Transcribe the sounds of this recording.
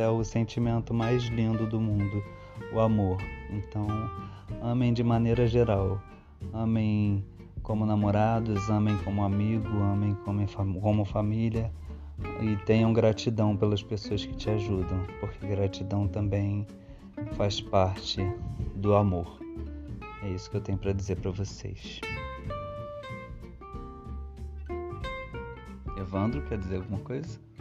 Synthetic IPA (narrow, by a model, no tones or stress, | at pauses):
ɛʊsẽnt͡ʃimẽnt̪ʊmajzlĩnd̪ʊd̪ʊmũnd̪ʊ | ʊamoɾẽt̪ɐ̃w̃ | ɐ̃mẽj̃d͡ʒɪmaneɾɐʒeɾaw | ɐ̃mẽj̃ | kõmʊnamoɾad̪ʊzɐ̃mẽj̃kõmʊamiɡʊɐ̃mẽj̃kõmẽj̃fkõmʊfamiliɐ | ɪt̪ẽj̃ɐ̃w̃ɡɾat͡ʃid̪ɐ̃w̃pelɐspesoɐskɪ̥t͡ʃɪaʒud̪ɐ̃w̃poɾkeɡɾat͡ʃid̪ɐ̃w̃t̪ɐ̃mbẽj̃ | faspaɾt͡ʃɪd̪ʊamoɾ | ɛisʊ̥kɪewt̪ẽɲʊpɾɐd͡ʒizeɾpɾɐvosḛjs | evɐ̃nd̪ɾʊkɛɾd͡ʒizeɾawɡumɐkojzɐ